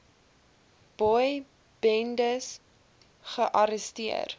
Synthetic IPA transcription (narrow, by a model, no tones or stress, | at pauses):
b̥ɔj | b̥ɛndəs | χəʔɐɾəstiə̰r